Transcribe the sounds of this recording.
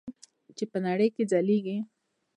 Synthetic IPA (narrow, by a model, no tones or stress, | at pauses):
t͡ʃepənaɽəjked͡zaleɡi